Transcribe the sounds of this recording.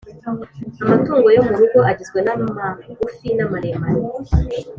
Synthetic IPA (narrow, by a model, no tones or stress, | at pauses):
amatuːŋɡo̞jomuɾuɡoʔaɟizɡwenamaufinamaɾemaɾi